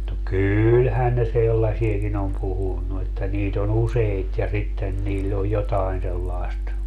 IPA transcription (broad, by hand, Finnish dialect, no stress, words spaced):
no kyːylhæn ne selːɑsiekin om puhunːu etːæ niːt on useit jɑ sitːen niːlː oj jotɑen selːɑest